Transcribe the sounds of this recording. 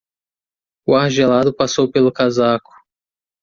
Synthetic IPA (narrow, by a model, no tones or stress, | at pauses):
ʊaɾʒelad̪ʊpasowpelʊkazakʊ̥